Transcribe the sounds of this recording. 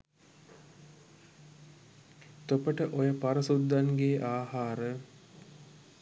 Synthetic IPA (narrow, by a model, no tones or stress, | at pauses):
t̪opəʈəʔojəpaɾəsud̪ːaŋɡeːʔaːhaːɾə